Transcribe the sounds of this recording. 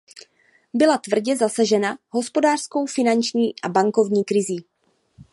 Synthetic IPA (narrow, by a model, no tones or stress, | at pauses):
bɪlat̪vr̩ɟɛzasaʒɛnaɦo̞spo̞daːr̥sko̞wfɪnant͡ʃɲiːʔabaŋko̞vɲiːkɾɪziː